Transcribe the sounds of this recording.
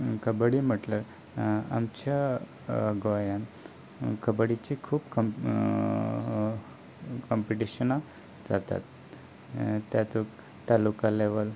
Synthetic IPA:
kəbəɽim̤əʈlə | a̰mt͡ɕa | ɡojan | kəbəɽit͡ɕikʰuːpkɔ | kɔmpiʈiɕəna | d͡zat̪a̰t̪ | t̪jat̪uk | t̪alukaleʋəl

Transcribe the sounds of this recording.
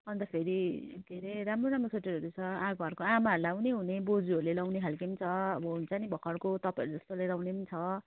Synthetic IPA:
ʌnt̪ʌpʰeɾiɡʱeɾeɾamroɾamrosʰeʈiɾʌɾut͡sʰʌãɡʱʌɾkoamaɾlawneɦunebod͡zuʌɾulelawneɦʰalkimt͡sʰʌʌbʌt͡sanibʱʌkʰʌɽkot̪ʌpãjʌɾud͡zʌst̪olajlawnemt͡sʰʌ

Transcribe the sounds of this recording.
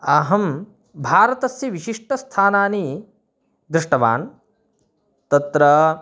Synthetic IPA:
aːɦɐm | bʱaːɾɐt̪ɐsjɐʋiʃiʂʈɐst̪ʰaːnaːni | d̪ɾɪʂʈɐʋa̰ːn | t̪ɐt̪ɾɐ

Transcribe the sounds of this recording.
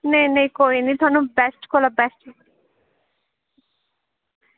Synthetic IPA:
nenejkoinid̪ʱɔnːobɛsʈkolɔbɛsʈ

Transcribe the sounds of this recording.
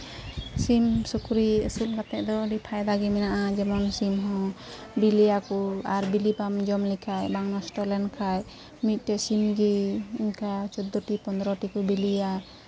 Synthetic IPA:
simsukuɾiəsulkat̪ɛʔd̪ɔɾipʰajd̪aɡiminaʔad͡ʒɛmɔnsimɦɔ̃ | bilijakuaɾbilipamd͡ʒɔmlikʰajbaŋnɔsʈɔlɛnkʰaj | mit̪̚ˀtɛsimɡiinkat͡ʃɔd̪ɔʈipɔnd̪ɾɔʈikubilija

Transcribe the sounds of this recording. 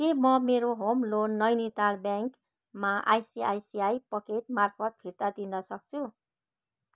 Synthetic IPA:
kemʌmeɾoɦomlonːʌjnet̪albjaŋk | maʔa̰jsia̰jsiajpʌket̪̚marpʰʌt̪̚pʰiɾt̪ad̪inʌsʌk̚t͡sʰu

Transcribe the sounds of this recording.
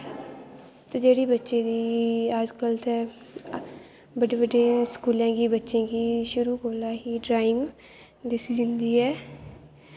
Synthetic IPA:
t̪eːd͡ʒeːɽiːbətːʃeːd̪iːaːd͡ʒkəlt̪ɛː | bəɖeːbəɖeːskuːlãːɡiːbətːʃẽːɡiːʃʊɾuːkoːlaːɦiːɖɾaːɪŋ | d̪ɪsiːd͡ʒɪnd̪iːɛː

